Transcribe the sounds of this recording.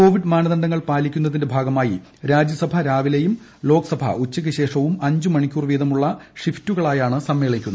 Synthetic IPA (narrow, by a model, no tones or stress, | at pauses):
ko̞ːʋiɖmaːnɐðɐɳɖɐŋːɐɭpaːlikʲːun̪ːɐðinde̞bʱaːɡɐmaːji | ɾaːd͡ʑjɐsɐbʱɐɾaːʋilejum | lo̞ːkɐsɐbʱɐ̰ut͡ɕːɐk̬ʲːɨɕe̞ːʂɐʋumɐɲd͡ʑumɐɳikʲːuːrʋiːðɐmuɭːɐʂiftuɣɐɭaːjaːɳɨsɐmːe̞ːɭikʲːunːɐ